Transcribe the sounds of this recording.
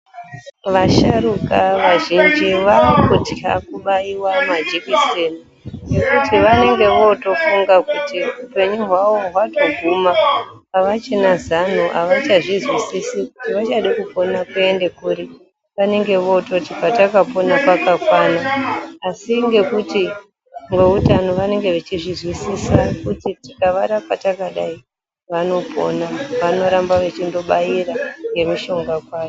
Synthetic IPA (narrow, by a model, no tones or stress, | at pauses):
ʋaʃaɾukaʋaʒind͡ʒiʋakutiɦa̰kuɓaiwamad͡ʒikiseni | ne̞kutiʋane̞ŋɡe̞ʋo̞to̞fuŋɡakutiupe̞ɲuɦwaʋo̞ɦwato̞ɡʱumaː | ʋat͡ʃenazan̤uʔa̰ʋat͡ʃaʐizwisisikutiʋat͡ʃaɗakupo̞nakue̞nde̞kuri | ʋane̞ŋɡe̞ʋo̞to̞tipatakapo̞nakwakakwanaː | siŋɡe̞kuti | ŋweutano̞ʋane̞ŋɡe̞ʋet͡ʃizwizwisisakutitikaʋaɾapatakaɗai | ʋano̞pʰo̞̰naʋano̞ɾambaʋet͡ʃindo̞ɓaiɾaŋɡe̞miʃo̞ŋɡakwaːo